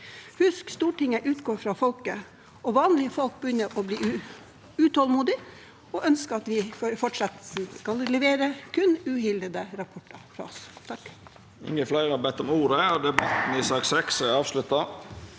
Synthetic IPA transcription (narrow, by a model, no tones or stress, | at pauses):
hʉskst̪uːʈɪŋəʔʉːt̪ɡoːɾfɾɑfɔlkə | ɔʋɑːnlɪəfɔlk̚bəjʏnːəɾʔɔbliːʉ | ʉt̪ʰɔlmuːd̪ɪ | ɔʔœnskəɑt̪ʋɪfoɾfɔʈʂɑt̪skɑllɛʋeːɾəkʰʉnʉːhɪld̪əd̪əɾɑpʰɔʈːɑfɾɑ̰ɔst̪ʰɑkː | ɪ̰ŋːəflæɪɾʁhɑɾbɛt̪ːɔmuːɾəɔd̪ɛbɑt̪n̩ɪsɑːksɛksɛɑːʋslʉt̪ːɑ